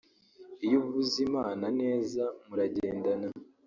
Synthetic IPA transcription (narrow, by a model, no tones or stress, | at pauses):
ijoβuβuzimaːnane̞ːzamuɾaɟeːndana